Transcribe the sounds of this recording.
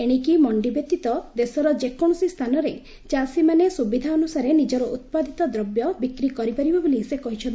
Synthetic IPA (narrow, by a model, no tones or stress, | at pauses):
eɽ̃ikimɔɳɖibjɔt̪ːit̪ɔd̪esɔɾɔd͡ʒekoɽ̃ɔsist̪ʰanɔɾe | t͡ʃasimanesubid̪ʱaɔnusaɾenid͡ʒɔɾɔʔut̪̚pad̪it̪ɔd̪ɾɔbjɔbikɾikɔɾipaɾibɔbulisekɔɦit͡ʃʰɔn